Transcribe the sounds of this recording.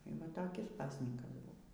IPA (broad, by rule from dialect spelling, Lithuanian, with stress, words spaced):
iː ˈʋɐ toːˈkʲɪs ˈpɑːsʲnʲiːkɐs ˈbʊʋoː